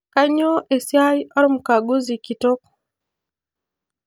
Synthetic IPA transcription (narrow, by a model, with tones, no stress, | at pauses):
ka˦ɲo˦ʔe˨sja˦jɔ˦ɾʊ˦m̩ka˨ɡu˦zi˨ki˨to˦k